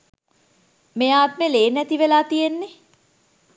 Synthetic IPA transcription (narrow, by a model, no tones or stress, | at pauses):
mejaːt̪̚meleːnːæt̪iʋelaːt̪ijenːe